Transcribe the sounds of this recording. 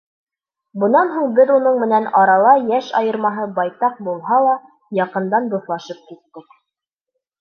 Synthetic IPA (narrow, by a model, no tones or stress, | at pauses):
bɤ̆nɑnɦuɴbɘðunɤɴmɘ̆nænɑɾɑlˠɑjæʃɑ̰jɤ̆ɾmɑɦɤbɑjt̪ɑq̚bulˠɦɑlˠɑ | jɑqɤ̆nd̪ɑnb̪ŭθlˠɑʃɤp̚kit̪ːɘk